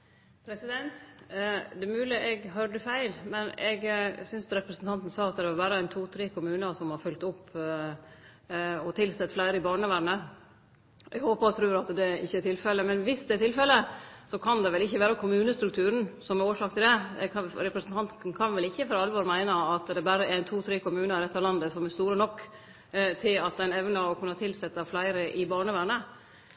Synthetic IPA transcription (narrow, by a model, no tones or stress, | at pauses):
pʰɾɛsɪd̪ɛnt̪ | d̪ɛmʉːlɪəʔɛɡɦøɖəfæɪlmɛnɛɡsʏnst̪ɾɛpɾəsnt̪ʰɑnt̪n̩sɑːɑt̪d̪ɛʋɑbæːɾəæɪnt̪ʰuːt̪ʰɾeːkʊmʉːnɑsɔmhɑɾfœlk̚t̪ʊpː | ɔt̪ʰɪlsɛt̪ːflæɪɾəɪbɑːɳəʋæɾɳə | ʔɛɡhoːpɑt̪ʰɾʉːɾɑt̪d̪ɛɪ̰çːəɛʈ̪ɪlfɛlːəmɛnʋɪsd̪ɛɛʈ̪ɪlfɛlːəsɔkʰɑnd̪ɛʋɛlɪçːəʋæːɾɑkʰʊmʉːnəst̪ɾʉk̚t̪ʰʉːɾən̩sɔmɛɾoːʂɑːkt̪ʰɪld̪ɛɾɛpɾəsənt̪ʰɑnt̪n̩kʰɑnʋɛlɪçːəfɔɾɑlʋɔɾmæɪnəɑt̪d̪ɛbæɾəæɪnt̪ʰuːt̪ʰɾeːkʊmʉːnəɾɾɛt̪ːɑʋlɑnd̪əsɔmɛst̪uːɾənɔkː | t̪ʰɪlɑt̪̚d̪ɛæɪnɛʋnɑɔkʰʉnːəɑt̪ʰɪlsɛt̪ːəflæɪɾəʔɪbɑːɳəʋæɾɳə